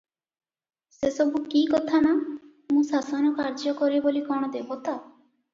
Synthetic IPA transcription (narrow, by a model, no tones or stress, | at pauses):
sesɔbukikɔt̪ʰana | mũsasɔnɔkaɾd͡ʒɔkɔɾibolikɔɽ̃ɔd̪ebɔt̪a